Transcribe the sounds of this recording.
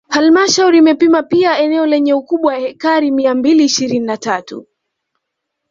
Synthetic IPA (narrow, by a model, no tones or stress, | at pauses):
halmaʃauɾiːmɛpimapiaɛnɛɔlɛɲɛukuɓwajahɛkaɾimiambiliːʃiɾininatatṵ